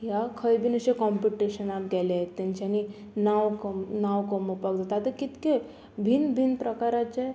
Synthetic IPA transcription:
jakʰəjbʱinəɕekɔmpiʈiɕənapɡɛlaet̪ːaɲt͡ɕani | nawknawkəməpaɡd̪at̪at̪əkit̪ke | bʱinbʱinpɾəkaɾat͡ɕe

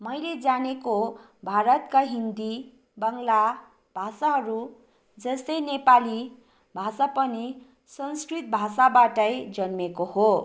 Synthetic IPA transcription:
mʌjled͡zaneko | bʱaɾʌt̪kaɦind̪i | bʌŋla | b̥ʱasaɦʌɾu | d͡zʌst̪ʌjnepali | bʱasapʌni | sʌnskrit̪̚bʱasabaʈʌjd͡zʌnmekoho

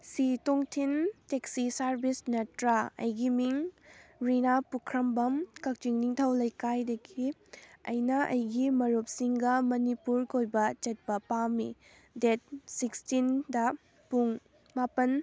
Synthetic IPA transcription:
sitoŋtʰinteksisaɾbisnɐtɾaɐ̰jɡimiŋɾinapukʰɾɐmbɐmkɐk̚tiŋniŋtʰɐwlɐjkajdɐɡiɐ̰jnɐʔɐ̰jɡimɐɾup̚siŋɡɐmɐnipuɾkojbɐt͡ʃɐt̚pɐpamḭ | det̚sikstindɐ | puŋ | mapɐn

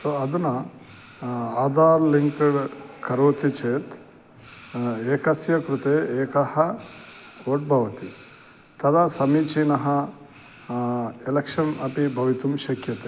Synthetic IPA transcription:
soɐd̪ɐnɐ | aːd̪aːɾliŋkɐɽkɐɾoːt̪it͡ʃeːt̪ | eːkɐsjɐkɾut̪eːeːkɐhɐ | oːʈ̚bʱɐʋɐt̪i | t̪ɐd̪ɐsɐmiːt͡ʃinɐɦɐ | elɐkʂɐnɐpibʱɐʋit̪umʃɐkʰjɐt̪e

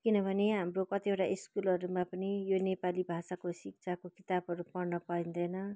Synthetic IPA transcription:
kinʌbʱʌneɦamrokʌt̪ieʈaʔiskulʌɾumapʌnijonepalibʱasakosik̚t͡sʰakokit̪abʱɦʌɾupʌrnʌpʌĩnd̪ʌjnʌ

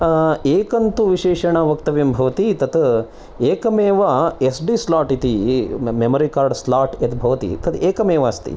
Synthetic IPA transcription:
eːkɐnt̪uʋiʃeːʃɐɳɐʋɐk̚t̪ɐʋembʱɐʋɐt̪it̪ɐt̪ | eːkɐmeːʋɐesɖislaːʈit̪imemɐɾikaːɾɖslaːʈet̪bʱɐʋɐt̪ḭt̪ɐt̪eːkɐmeːʋɐɐst̪ḭ

